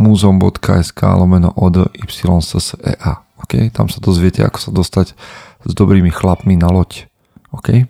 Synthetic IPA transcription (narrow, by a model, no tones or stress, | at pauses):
muːzɔmbɔ̰t̪kʰa̰ːɛska̰ːlɔmɛnɔ̰ʔɔd̪əʔipsilɔnsəsəʔɛ̰ːʔaɔkɛjt̪a̰msad̪ɔzʋɪɛcɛ̰a̰kɔ̥sad̪ɔst̪aɟ | zd̪ɔbɾiːmixlapminalɔc | ɔkɛj